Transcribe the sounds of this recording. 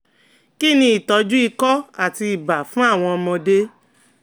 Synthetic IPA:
ki˦˨nĩ˧i˨tɔ˨˧˦d͡ʒu˦i˧kɔ˦a˦˨ti˧i˨ba˨fũ˨˦a˦˨w̃ɔ̃˧ɔ˧mɔ̃˧de˦

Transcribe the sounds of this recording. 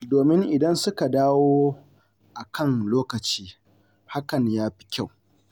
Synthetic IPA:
doː˨mɪ˦ŋʔɪ˨dɐ˦nsʊ˦ka˨daː˦woː˦ | ʔa˨kʰɐ˦˨ŋloː˦kɐ˨t͡ʃiː˦ | ha˦kɐ˨ɲjaː˦ɸi̥˦kʲa˦˨w

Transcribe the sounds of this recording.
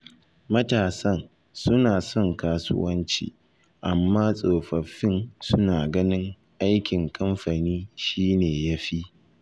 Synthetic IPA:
mɐ˦taː˨sɐ˦n | sʊ˦naː˨sɔ˦ŋkaː˦sʊ̰˦wɐ˦nt͡ʃḭː˨ | ʔa˨mːaː˦sʼoː˨ɸɐ˨ɸːɪ˦nsʊ˦naː˨ɡɐ˦nɪ˦ŋ | ʔa˦jkʲɪ˨ŋkʰɐ˦mɸa˨niː˦ʃiː˦neː˨ja˦ɸi˦

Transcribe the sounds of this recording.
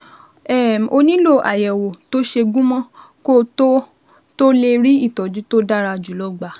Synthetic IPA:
ɛ˦˨m˨ʔo˧nĩ˦lo˦˨ʔa˨jɛ˨wo˨to˦ʃe˧ɡũ˦mɔ̃˦ | ko˦to˦ | to˦le˧ɾi˦i˦˨tɔ˨d͡ʒu˦to˦da˦ɾa˧d͡ʒu˨˦lɔ˦ɡ͡ba˨

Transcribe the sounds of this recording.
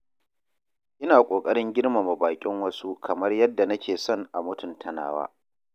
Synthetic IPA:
ʔɪ˦naː˨kʷʼoː˨kʼɐ˦ɽɪ˦ŋɡʲɪ˦rma˨ma˨baː˨kʲʼɪ˦ŋwɐ˦su˦kʰɐ˨mɐ˦rjɐ˦dːa˨nɐ˦kʲʰeː˨sɔ˦˨nʔa˨mʊ˦tʊ˨ntʰɐ˨na̰ː˦wa̰ː˦

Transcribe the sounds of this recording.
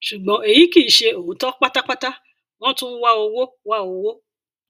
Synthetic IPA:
ʃu˨ɡ͡bɔ̃˨˦e˨ji˨˦ki˦˨ʃe˧o˨u˨˦tɔ˦k͡pa˦ta˦k͡pa˦ta˦ | w̃ɔ̃˦tũ˦wa˦o˧wo˦ | wa˦o˧wo˦

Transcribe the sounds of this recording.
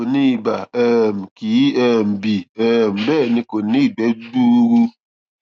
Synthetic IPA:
o˨nĩ˦˨ba˨ɛ˦˨m̩˨ki˨˦ɛ˦˨m̩˨bi˨ɛ˦˨m̩˨bɛː˦˨nĩ˧ko˨nĩ˦˨ɡ͡bɛ˨˦du˦ɾu˧

